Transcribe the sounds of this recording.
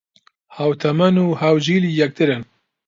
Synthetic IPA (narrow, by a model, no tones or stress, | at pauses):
haːwt̪ʰɐmɐnuːhawd͡ʒiːliːjɛk̚t̪ɨɾɨn